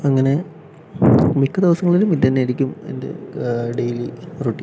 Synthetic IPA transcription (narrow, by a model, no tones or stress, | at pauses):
ɐŋːɐne̞ | mikːɨd̪iʋɐsɐŋːɐɭilumiɐnːeːɽikʲːume̞̰nde̞̰ɖejliruʈːi